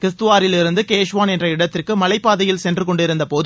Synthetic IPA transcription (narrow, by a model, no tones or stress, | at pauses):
kɾɪst̪ɯʋaːɾɪlɪɾɯnd̪ɯkeːʂʋaːnɛndrɐɪɽɐt̪ːɪrkɯmɐlɐɪpːaːðɐjɪlsɛndrɯkɔɳɖɪɾɯnd̪ɐpoː